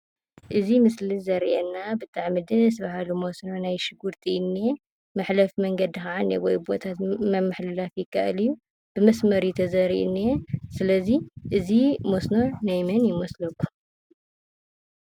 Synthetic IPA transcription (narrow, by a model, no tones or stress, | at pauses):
ʔɨzimɨslizɐɾʔɛnːabɨt̪ʼʰaʕmɨd̪ɨs̬baɦalumosno̞najʃɨɡuɾt̪ʰinːe | mɨħlɐfmɐŋɡɐd̪ixaʕanːewɔjbo̞t̪ʰat̪mɐmːaħlɨlafjɪkːa̰ʔɨ̰lijːu | b̥ɨmɐsmɐɾit̪ʰɐzɐɾḭʔnːesɨlɐziʔɨzimosno̞najmɐnjɪmoslɐkːu̥